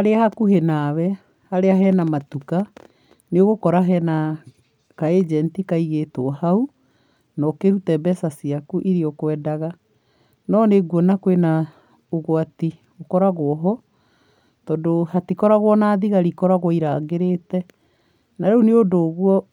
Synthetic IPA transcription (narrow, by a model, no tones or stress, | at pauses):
aɾeahakuɦenaːβɛ | haɾeaɦɛnamatuka | neoɣokɔɾaɦɛna | kaed͡ʒɛntikaiɣetoɔhau | nɔkeɾutɛbɛsasiakuʔiɾiɔkwɛdaɣa | nɔneɡwɔnakwena | oɣwati | okɔɾaɣoɔɦɔ | tɔːdohatikɔɾaɣwɔnaːðiɣaɾikɔɾaɣwɔiɾaɣeɾetɛ | naɾɛuneodoɣwɔ